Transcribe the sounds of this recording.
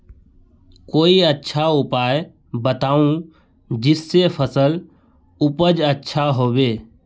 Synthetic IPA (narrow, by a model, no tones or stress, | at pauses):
koːiətːʃʰaʊpaːj | bət̪aːũ | d͡ʒɪsːepʰəsəl | ʊpəd͡ʒətːʃʰaɦoːʋeː